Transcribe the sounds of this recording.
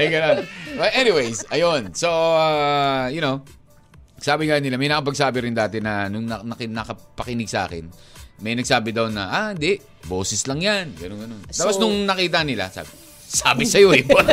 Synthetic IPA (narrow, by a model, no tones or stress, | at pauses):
ɐjɡɐnonwɐlʔɛniwejsɐjonsoaːjʊnow | saːbɪŋanɪlamɐjnɐkɐp̬ɐɡ̚saːbɪɾɪnd̪aːt̪ɛnɐnʊŋnɐnɐkɪnɐkɐpɐkɪnɪɡ̚sɐʔa̰ːkɪnmɐjnɐɡ̚saːbɪd̪ɐwnɐ̰ʔaɪnd̪ɛʔ | bo̞ːsɪslɐŋjanɡɐnonɡɐno̞nt̪aːposnʊŋnɐkiːt̪ɐnɪla̰sa̰ːbɪ | saːbɪsɐjo̞ɛba